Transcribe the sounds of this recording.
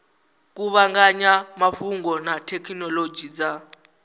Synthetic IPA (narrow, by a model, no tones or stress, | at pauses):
k̬ʼuβaŋɡaɲamaɸuŋɡɔnatʰɛkʰinɔlod͡ʒid͡za